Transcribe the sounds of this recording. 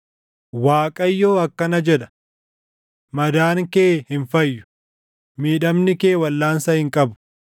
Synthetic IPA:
waːkʼɐjːoːɐkːɐnɐd͡ʒɛᶑɐ̥ | mɐd̪aːŋkeːhɪnfɐjːʊ̥ | miːᶑɐmnɪkeːwɐlːaːnsɐhɪŋkʼɐbʊ̥

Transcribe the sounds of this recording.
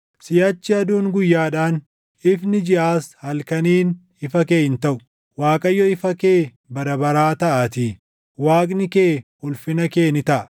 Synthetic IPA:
sɪjaːt͡ʃːɪɐd̪uːŋɡʊjːaːᶑaːn | ɪfnɪd͡ʒɪʔaːshɐlkɐniːn | ɪfɐkeːɪnt̪ɐʔʊ̥ | waːkʼɐjːɔɪfɐke̞ː | bɐɾɐbɐɾaːt̪ɐʔaːt̪iː | waːkʼnɪke̞ːhʊlfɪnɐkeːnɪt̪ɐʔɐ̥

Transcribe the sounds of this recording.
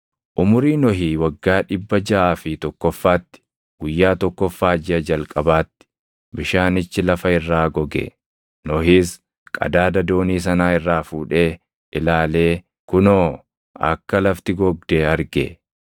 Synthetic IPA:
ʔʊmʊɾiːnɔɦiːwɐɡːaːᶑɪbːɐd͡ʒɐʔaːfɪt̪ɔkːɔfːaːt̪ːɪ̥ | ɡ̥ʊjːaːt̪ɔkːɔfːaːd͡ʒɪʔɐd͡ʒɐlkʼɐbaːt̪ːɪ̥ | bɪʃaːnɪt͡ʃːɪlɐfɐɪrːaːɡɔɡɛ̰ | nɔɦiːs | kʼɐ̰d̪aːd̪ɐd̪o̞ːniːs̬ɐnaːɪrːaːfuːᶑe̞ː | ʔɪlaːle̞ː | kʊnoː | ɐ̰kːɐlɐft̪ɪɡɔɡ̚d̪eɐɾɡḛ

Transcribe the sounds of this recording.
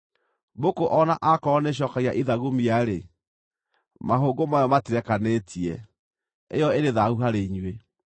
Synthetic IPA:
bokoʔɔnaʔakɔneɕ̬ɔkaɣiaʔiðaɣumiaɾe | maɦoːɡomajɔmatiɾɛkanetʰiɛ | ejɔeɾeðaɣuɦaɾeiɲwe

